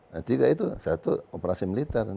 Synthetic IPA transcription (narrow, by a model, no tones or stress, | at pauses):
at̪iɡait̪usat̪uopɾasimilit̪ar